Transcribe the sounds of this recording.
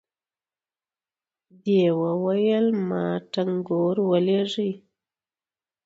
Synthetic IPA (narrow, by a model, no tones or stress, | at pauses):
d̪ewəwajəlmɑʈaŋɡoɾwəleʐij